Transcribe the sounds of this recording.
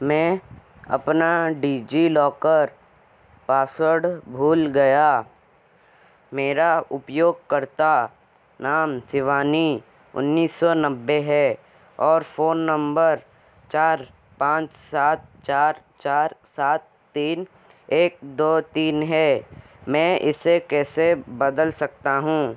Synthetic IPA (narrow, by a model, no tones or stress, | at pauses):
mɛ̃ | ɐ̰pnaɖiːd͡ʒilɔːkəɾ | paːsəɽbʱuːlɡɐja | meːɾaʊpjoːɡ̚kɐɾt̪a | naːmsɪʋaːni | ʊ̰nːiːsːɔnɐbːeɦɛ | ɔːɾfoːnːə̃mbəɾ | t͡ʃaːɾ | pãːt͡ʃsaːt̪̚t͡ʃaːɾ | t͡ʃaːɾsaːt̪ːiːn | eːk̚d̪oːt̪iːnɦɛː | mɛ̃ːʔɪ̰sekɛːsebɐd̪əlsɐk̚t̪aɦũː